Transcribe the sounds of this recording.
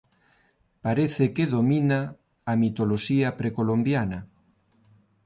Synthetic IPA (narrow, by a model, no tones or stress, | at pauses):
paɾeθekeðominaː | mit̪oloʃiɐpɾekolombjana